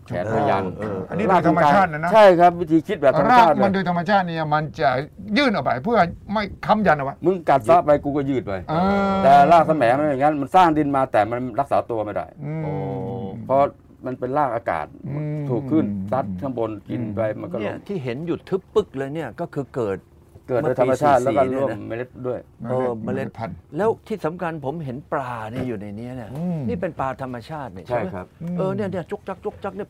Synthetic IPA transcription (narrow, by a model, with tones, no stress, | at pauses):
kɛ̰ː˨˦a˧ja̰˧nː˧ʔa˧ni˦˥˧a˥doː˧jt̪ʰa˧ma˧t͡ɕaː˥˩t̪̚na˧˥˩n˦t͡ɕʰa˥˩jkʰa˦˥p̚wi˦˥t̪ʰiː˧kʰi˦˥bɛː˨˩tʰa˧ma˥aː˩˥˩t̪̚ma˧ndoː˧t̪ʰa˧mːa˧t͡ɕʰaː˥˩t̪̚niː˥˩˨ma˧nt͡ɕa˨˩jɯː˥˩nʔa˨˩wpa˧˩jpʰɯ˥˩ɐma˥˩jkʰa˧˥mja˧nʔa˨˩pa˧˩mɯ˧ŋka˨˩t̪̚sa˦˥ʔ̚pa˧jkuː˧kɔː˥˩jɯː˥˩t̪̚pa˧jʔɤː˧lɛː˨˩laː˥˩k̚sa˧mɛː˨˦ŋma˧na˥˩jŋa˦˥nma˧nsaː˥˩ŋdi˧nmaː˧t̪ɛː˨˩ma˧nɾa˦˥k̚sa̰ː˩˦t̪u˧ɐma˥˩jda̰˥˩jɯ˧ʔoː˧˩pʰɔ˦˥ | ma˧npe˧nlaː˥˩k̚aː˧ka̰ː˨˩t̪̚t̪ʰuː˨˩kʰːɯ˥˩nsa˦˥t̪̚ʰːɯ˥˩˨ŋbo˧nki˧npa˧jma˧nkɔ˥˦i˥˩ɐt̪ʰiː˥˩ɦe˩˦nju˨˩t̪ʰːɯ˦˥k̚pɯ˥˩k̚lɤː˧jni˥˩ɐkɔː˥˩kʰɯː˧kɤː˨˩t̪̚ | kɤː˨˩t̪̚mː˧t̪ʰːa˧ma˧˦t͡ɕʰaː˧˥˩t̪lɛː˦˥˨kɔ˥˨˦ɾu˧˥˩əmm˧˩˨le˦˥t̪̚du˥˩əjɤː˧ma˧le˧˩pʰlɛː˦˥wt̪ʰiː˥˩sa˩˦mkʰa˧npʰo˩˦mɦe˩˦nplaː˧˩ni˥˩ɐjuː˨˩na˧jni˦˥ɐni˦˥˩ɐniː˥˩pe˧npaː˧t̪ʰa˧mːa˧t͡ɕʰaː˥˩t̪̚na˧˥˩t͡ɕʰa˥˩˦ʔɤː˧ni˥˩ɐni˥˩ɐt͡ɕo˦˥k̚t͡ɕa˦˥k̚t͡ɕo˦˥k̚t͡ɕa˦˥k̚ni˥˩